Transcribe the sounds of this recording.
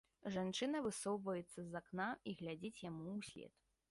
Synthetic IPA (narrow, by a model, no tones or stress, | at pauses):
ʐant͡ʂɨnɐvɨsɔwvɐjɛt̪sːɐzaknaiɣlʲad͡zʲit͡sʲjamuːsʲlʲɛ̰t̪